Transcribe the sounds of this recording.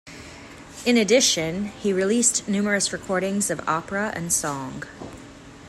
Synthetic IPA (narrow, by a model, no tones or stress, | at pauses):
ɨ̃nɨdɪʃɨ̃niɹilistnʉmə˞ɨsɹɨkʰɔɹɾɪ̃ŋzʌvɑ̰pɹəʔɨ̰̃nsɔ̃ŋ